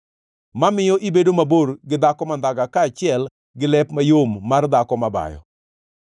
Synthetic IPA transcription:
mamɪjɔʔibedomaborɡɪd̪akɔmand̪aɡakaːt͡ʃɪɛl | ɡɪlɛpmajomːard̪akɔmaba̰jɔ̰

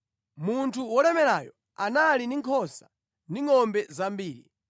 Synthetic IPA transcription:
muntʰuwɔlɛmɛɾajɔ | analiniŋkʰɔsa | niŋɔmbɛzambiːɾḭ

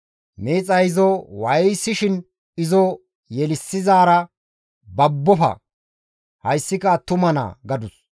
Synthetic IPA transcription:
meːt͡sʼɐjɪzɔwɐjjsɪʃɪn | ɪzɔ | jɛlɪsːɪzaːɾɐ | bɐbːɔfɐ̰ | hɐjsːɪkɐt̪ʊmɐna̰ːɡɐd̪ʊs

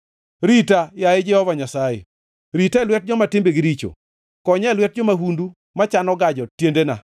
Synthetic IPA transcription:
ɾitajaɪd͡ʒɛhɔvaɲasajḛ | ɾitɛlwɛt̚d͡ʒɔmatɪmbeɡɪɾit͡ʃo̰ | kɔɲɛlwɛt̚d͡ʒɔmaɦundu | mat͡ʃanɔɡad͡ʒɔtjendena̰

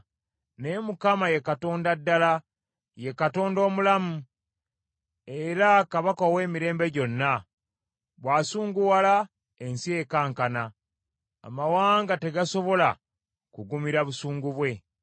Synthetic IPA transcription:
ne̞mukamaje̞kato̞ːndadːala | je̞kato̞ːndo̞ːmulamu | eɾakaβakawe̞ːmiɾe̞ːmbe̞ɟo̞nːa | βwaːsuːŋɡuwala | e̞nsije̞kaːŋkana | a̰mawaːŋɡate̞ɡaso̞βo̞la̰ | kuɡumiɾaβusuːŋɡuβwe̞

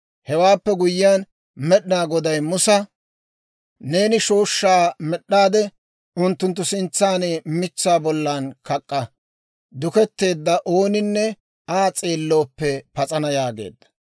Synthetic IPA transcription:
hɛwaːpːɛɡʊjɪjaːn | mɛɗnaːɡɔd̪ɐjmʊsɐ | ne̞ːnɪʃoːʃːaːmɛɗːaːd̪ɛ | ʔʊnt̪ːʊnt̪ːʊsɪnt͡sːaːnemɪt͡sːaːbɔlːankɐkʼːɐ | d̪ʊkɛt̪ːe̞ːd̪ːɐʔo̞ːnɪnːɛ | aːt͡sʼeːlːo̞ːpːɛpɐt͡sʼɐnɐjaːɡe̞̰ːd̪ːɐ̥

